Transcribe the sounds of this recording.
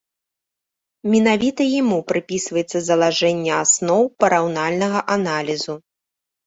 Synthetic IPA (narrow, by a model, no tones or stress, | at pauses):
mʲinavʲit̪ɐjimupɾɨpʲisvɐjɛt̪sːɐzɐlˠaʐɛnʲːɐasnɔwpɐɾawnalʲnɐɣɐʔanalʲizu